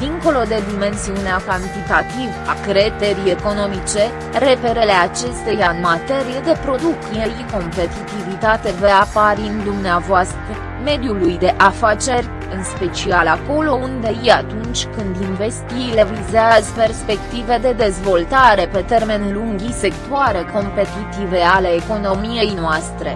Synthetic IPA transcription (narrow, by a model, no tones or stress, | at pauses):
d̪iŋko̞lo̞d̪e̞d̪ime̞nsiuneakant̪it̪at̪ivakɾe̞t̪e̞ɾie̞ko̞no̞mit͡ʃe̞ | ɾe̞pe̞ɾe̞le̞at͡ʃe̞st̪e̞jaɨnmat̪e̞ɾije̞d̪e̞pɾo̞d̪ukijejiko̞mpe̞t̪it̪ivit̪at̪e̞veapaɾind̪umneavoast̪ɾə | me̞d̪julujd̪e̞ʔafat͡ʃe̞rʲ | ɨnspe̞t͡ʃialako̞lo̞und̪e̞iat̪unt͡ʃʲkɨnd̪inve̞st̪iːlevizeazpe̞rspe̞kt̪ive̞d̪e̞d̪e̞zvo̞lt̪aɾe̞pe̞t̪e̞rme̞nluŋɡʲise̞kt̪oaɾe̞ko̞mpe̞t̪it̪ive̞aleːko̞nomije̞jnoast̪ɾe̞̰